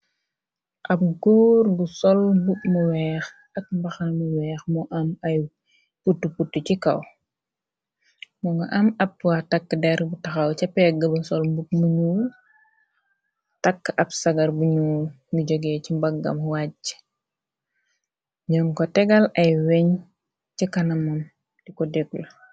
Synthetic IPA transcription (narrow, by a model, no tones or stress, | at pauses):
ʔɐp̚ɡuːrɡusɔlmbuk̚muwɛːx | ɐk̚mbɐxɐmuwɛːxmɔʔɐmɐj | putːuputːucikɐ̰w | mɔŋɡɐʔɐmɐp̚tuwatɐkːədɛɾbutɐxɐwcɐpːɛɡɐbɐsɔlmbuk̚muɲuː | tɐkːʔɐbsɐɡɐrbuɲuː | ŋɡəɟɔɡɛcimbɐɡːɐ̰mwaɟ | ɲɔŋkɔtɛɡɐlɐjwɛɲ | cikɐnɐmɐm | dikɔdɛɡlɐ